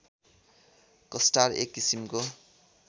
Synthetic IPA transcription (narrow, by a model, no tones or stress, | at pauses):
kʌsʈarḛkːisimko